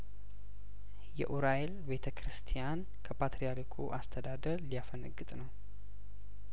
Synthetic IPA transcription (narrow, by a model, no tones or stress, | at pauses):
jɛ̰ʔuɾajelbe̞t̪ʰəkɾɨst̪ʰijan | kʰəpʰat̪ɾijalikʰṵʔast̪ʰəd̪ad̪əɾlijafənəɡːɨt̪ʼnəw